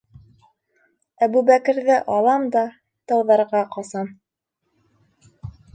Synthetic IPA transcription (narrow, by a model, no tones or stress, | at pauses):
æbubækɘ̆ɾðɘʔɑlˠɑmd̪ɑ | t̪ɤ̆wðɑɾʁɑqɑsɑm